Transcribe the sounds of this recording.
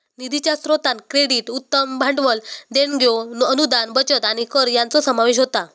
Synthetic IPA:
nid̪ʱit͡ɕjasɾot̪ankɾeɽiʈut̪ːəmbʱãɳɖʋəld̪eɳɡʱjoənud̪anbət͡ɕət̪aɽ̃ikəɾjant͡sɔsəmaʋeɕ̬ɦot̪a

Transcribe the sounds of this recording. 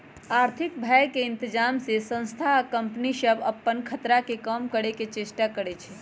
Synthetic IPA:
aɾt̪ʰik̚bʱajkeɪnt̪əd͡ʒamsesə̃ñst̪ʰaːkəmpnisəbʱəpːənkʰət̪ɾakekəmkəɽeket͡ʃesʈakəɽɛet͡ʃʰɛ̥

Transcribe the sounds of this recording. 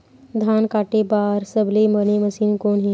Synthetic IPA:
d̪ʱaːnkaːʈebaːɾsəbleməneməsiːnkoːnɦi

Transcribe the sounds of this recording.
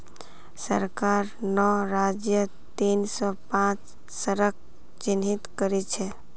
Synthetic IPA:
səɾkaɾnɔɾad͡ʒjə | t̪insɔpãt͡ʃ | səɾək̚ | t͡ʃinɦit̪kəɾɛt͡ʃʰɛ

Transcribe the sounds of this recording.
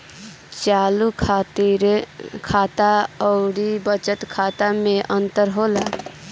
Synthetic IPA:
t͡ʃalukʰat̪iɾkʰat̪aɔʊɽibət͡ʃət̪kʰaːt̪amẽʔə̃nt̪əɾɦoːla

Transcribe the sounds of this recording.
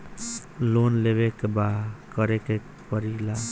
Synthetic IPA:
lonleβekbakəɾekek | pəɾila

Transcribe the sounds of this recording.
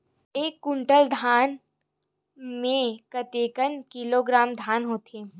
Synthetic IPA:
eːkːʊ̃ɳʈəld̪ʱaːn | mẽkət̪eːkənkiloɡɾaːmd̪ʱaːnɦoːt̪eː

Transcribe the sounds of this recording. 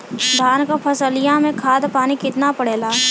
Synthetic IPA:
d̪ʱaːnkapʰɐsəlɪjãmẽkʰaːd̪paːnikɪt̪napəɽeːlaː

